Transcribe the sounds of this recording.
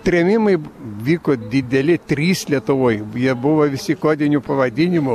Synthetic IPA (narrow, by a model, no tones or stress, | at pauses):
t̪ʲɾʲɛmʲɪmɐɪʋʲiːkoːd̪ʲɪd̪ʲɛlʲɪt̪ʲɾʲiːslʲiɛt̪ʊʋoːjjiɛbʊʋɐʋʲɪsʲɪkoːd̪ʲɪnʲupɐʋɐd̪ʲɪnʲɪmʊ